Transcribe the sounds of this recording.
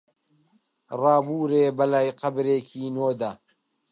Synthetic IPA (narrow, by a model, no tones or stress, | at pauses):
rɑːbuːɾeːbɐlajqɐbɾeːkʰiːnoːd̪ɐ